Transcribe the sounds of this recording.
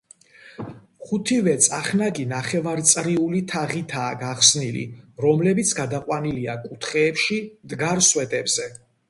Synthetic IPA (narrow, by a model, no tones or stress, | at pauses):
χut̪ʰivɛt̪sʼaχnaɡinaχɛvaɾt̪sʼɾiulit̪ʰaʁit̪ʰaːɡaχsnilḭɾɔmlɛbit̪sʰɡad̪aqʼwaniliakʼut̪ʰχɛːpʃimd̪ɡaɾswɛt̪ʼɛbz̥ɛ